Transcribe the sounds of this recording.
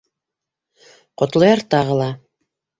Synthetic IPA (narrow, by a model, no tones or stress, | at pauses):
qŏt̪lˠɤ̆jɑɾt̪ɑʁɤ̆lˠɑ